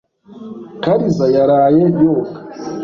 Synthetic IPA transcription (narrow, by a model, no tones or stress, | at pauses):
kaɾizajaɾajejoːkḁ